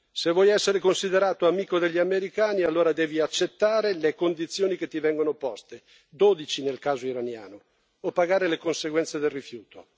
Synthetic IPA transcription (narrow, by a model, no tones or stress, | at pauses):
sevːwɔjɛsːeɾekonsid̪eɾaːt̪oamiːkod̪eʎːiameɾikaːnialːoːɾad̪ɛːviat͡ʃːet̪ːaːɾelekond̪it̪sːjoːniket̪ːivɛŋɡonopɔst̪e | d̪oːd̪it͡ʃinelkaːzoiɾanja̰ːnoː | paɡaːɾelekonseɡwɛnt̪sed̪elrifjuːt̪o